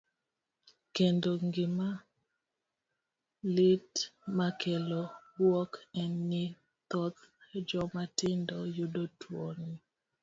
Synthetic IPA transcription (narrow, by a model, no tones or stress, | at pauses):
kendoŋɡɪma | lɪtmakelowɔkɛnːɪ | t̪ɔt̪d͡ʒɔmatɪndɔjodotʰwɔni